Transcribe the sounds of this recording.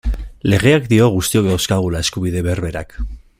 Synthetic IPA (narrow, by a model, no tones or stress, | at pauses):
le̞ɣ̞e̞akd̪io̞ɣ̞ust̪io̞kd̪awskaɣ̞ulae̞skuβiðe̞βe̞rβe̞ɾa̰k